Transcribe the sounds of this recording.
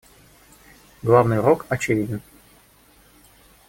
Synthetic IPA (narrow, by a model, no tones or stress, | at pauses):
ɡlˠavnɨjɾokɐt͡ɕɪvʲidʲɪn